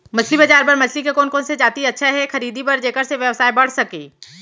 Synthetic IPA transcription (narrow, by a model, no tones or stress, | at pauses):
mɐt͡ʃʰlibɐd͡ʒaːɾpɐɾmɐt͡ʃʰlikekɔːnkɔːnsed͡ʒaːt̪iɐtːʃʰaɦɛxɐɾiːd̪ipɐɾd͡ʒeːkəɾseʋjɐʋsaːibɐɽ̤sɐkeː